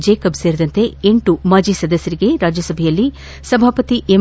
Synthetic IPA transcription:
d͡ʒeːkɐbseːɾid̪ɐnt̪e̞eɳʈumaːd͡ʒisɐd̪ɐsjɐɾiɡe̞ɾaːd͡ʒjɐsɐbʱejɐlːi | sɐbʱaːpɐt̪iʔe

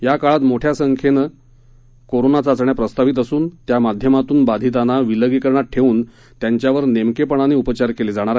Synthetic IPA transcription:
jakaɭat̪moʈʰjasəŋkʰenə | koɾonat͡sat͡sɳjapɾəst̪aʋit̪əsuːnt̪jamad̪ʱjəmat̪uːnbad̪ʱit̪anaʋiləɡikəɾɳaʈʰːeʋuːn | t̪jaɲt͡ɕjaʋəɾnemkepəɳ̃aneupət͡ɕaɾkeled͡zaɽ̃aɾa

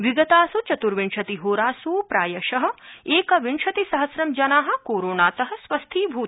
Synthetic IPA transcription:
ʋiɡɐt̪aːsut͡ʃɐt̪uɾʋiɳʃɐt̪iɦoːɾaːsuːpɾaːjɐʃɐɦɐ̆eːkɐʋiɳʃɐt̪isɐɦɐsɾɐmd͡ʒɐnaːɦɐ̆koːɾoːnaːt̪ɐɦɐ̆sʋɐst̪ʰiːbʱuː

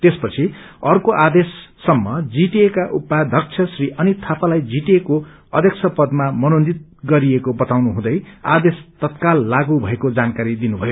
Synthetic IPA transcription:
t̪espʌt͡sʰiʌrkoʔad̪esːʌmːʌd͡ziʈekaʔupːad̪ʱʌk̚t͡sʰʌsriʔʌnit̪ʰapalajd͡ziʈeko | ʌd̪ʱjʌksʰʌpʌd̪mamʌnond͡zit̪̚ɡʌɾiekobʌt̪awnuɦũd̪ʌja̰d̪est̪ʌt̪kalːaɡubʱʌekod͡zankaɾid̪inubʱʌjo

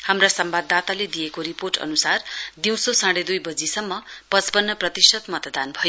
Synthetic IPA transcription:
hamrasʌmbad̪at̪aled̪ijekoɾiporʈʌ̰nusard̪iw̃sosãɽed̪ujbʌd͡zisʌmːʌpʌt͡spʌnːʌprʌt̪isʌt̪mʌt̪d̪anbʱʌjo

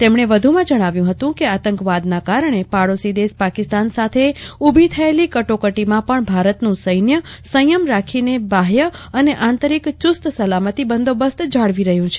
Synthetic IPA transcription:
t̪emɳ̃eʋəd̪ʱumãd͡ʒəɽ̃aʋjũɦət̪ũkeat̪əŋkʋad̪nakaɾəɳ̃epaɽosid̪espakist̪ansat̪ʰeubʱit̪ʰəelikəʈokəʈimãpəɳbʱaɾət̪nũsəjnjəsəjəmɾakʰinebaɦjəəneʔant̪əɾikt͡ʃʊst̪səlamət̪ibənd̪ʱobəst̪d͡ʒaɭʋiɾəɦjũt͡ʃʰe̥

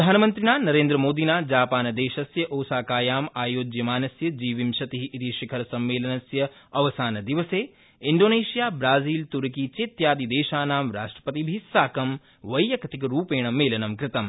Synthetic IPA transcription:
d̪ʱaːnɐmɐnt̪ɾinaːnɐɾeːnd̪ɾɐmoːd̪inaːd͡ʒaːpaːnɐd̪eːʃɐsjɐʔoːsaːkaːjaːmaːjoːd͡ʒjɐmaːnɐsjɐd͡ʒiːʋimʃɐt̪iɦiʔit̪iʃɐkʰɐɾɐsɐmːeːlɐnɐsjɐɐʋɐsaːnɐd̪iʋɐseː | iɳɖoːneːʃijaːbɾaːziːlt̪uɾɐkit͡ʃeːt̪jaːd̪id̪eːʃaːnaːmɾaːʂʈɾɐ̥pɐt̪ibʱisaːkɐm | ʋɐjjɐkɐt̪ikɐɾuːpeːɳɐmːeːlɐnɐmkɾɪt̪ɐm

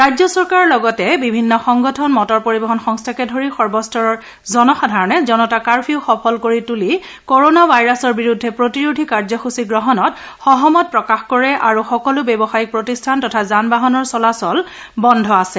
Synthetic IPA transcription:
ɹajzɔsɔɹkaɹɔɹlɔɡɔtɛbibʱinːɔxɔŋɡɔtʰɔnmɔtɔɹpoɹibɔɦɔnxɔŋstʰakɛdʱoɹixɔɹbɔstʰɔɹɔɹ | zɔnɔxadʱaɹɔnɛzɔnɔtakaɹpʰiʊxɔpʰɔlkoɹituli | koɹonabʱajɹasɔɹbiɹudʱːɛpɹotiɹodʱikaɹzɔxusiɡɹɔɦɔnɔt | xɔɦɔmɔt̚pɹɔkaxkɔɹɛʔaɹuxɔkɔlʊbɛbɔxajik̚pɹotistʰantɔtʰazanbaɦɔnɔɹsɔlasɔl | bɔndʱɔasɛ

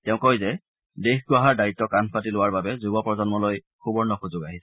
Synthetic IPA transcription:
tɛʊ̃kɔjzɛ | dexɡʊaɦaɹdaitːɔkanpʰatilʊwaɹbabɛzubɔpɹɔzɔnmɔloj | xubɔɹnɔxuzʊɡaɦis

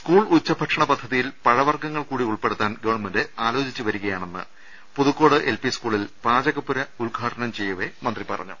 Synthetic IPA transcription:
skuːɭut͡ɕːɐbʱɐʈʂɐɳɐpɐd̪ʱːɐðijilpɐɻɐʋɐrɡɐŋːɐɭkuːɽiuɭpe̞ɽut̪ːaːnɡɐʋɐɳmɐndɨaːlo̞ːt͡ɕit͡ɕːɨʋɐɾuɣɐjaːɳe̞nːɨ̰ | puðukːo̞ːɽɨʔelpiskuːɭilpaːd͡ʑɐɣɐpːuɾɐulɡʱaːʈɐnɐmt͡ɕe̞jːɐʋe̞mɐnd̪ripɐrɐ̰ɲːṵ

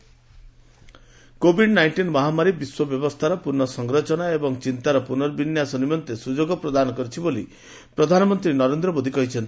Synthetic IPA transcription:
kobiɖnajɳʈinmɔɦamaɾibiswɔbjɔbɔst̪ʰaɾɔpuɾnɔsɔŋɡɾɔt͡ʃɔnaebɔŋt͡ʃint̪aɾɔpunɔɾbinjasɔnimɔnt̪esud͡ʒoɡɔpɾɔd̪anɔkɔɾit͡ʃʰiboli | pɾɔd̪ʱanɔmɔnt̪ɾinɔɾend̪ɾɔmod̪ʱikɔɦit͡ʃʰɔnt̪i̥

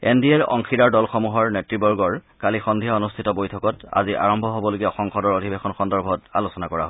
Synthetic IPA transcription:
ḛndiɛɹɔ̰ŋxidaɹdɔlxɔmuɦɔɹnetɹibɔɹɡɔɹkalixɔndʱijaonustʰitɔbojtʰɔkɔta̰ziʔa̰ɹɔmbʱɔɦobɔloɡiaxɔŋxɔdɔɹodʱibexɔnxɔndɔɹbʱɔta̰losɔnakɔɹa̰ɦɔ

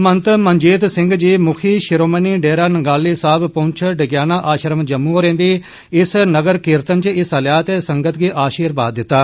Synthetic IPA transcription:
mənt̪məɲd͡ʒiːt̪sɪ̃ŋɡd͡ʒiːmʊkʰiːʃɪɾoːməniːɖeːɾaːnəɡaːlːiːsaːbpõːɲt͡ʃʰɖəɡjaːnaːʔaːʃɾəmd͡ʒəmːuːoɾẽːbiː | ɪsnəɡəɾkɪɾt̪ənt͡ʃɪsəljaːt̪eːsəŋɡət̪ɡiːʔaːʃiːɾbaːd̪ːɪt̪ːaː

